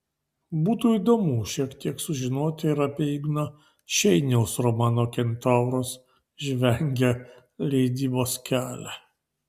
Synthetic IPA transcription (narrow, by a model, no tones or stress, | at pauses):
buːt̪uːiːd̪oːmuːʃʲiɛkt̪ʲiɛksʊʒʲɪnoːt̪ʲɪɪɾɐpʲeiɡnɐ | ʃʲɛɪnʲɛʊsɾɔmɑːnoːkʲɛnʲt̪ɑˑʊɾoːs | ʒʲʋʲɛŋʲɡʲɛ | lʲɛɪd̪ʲiːboːskʲæːlʲæ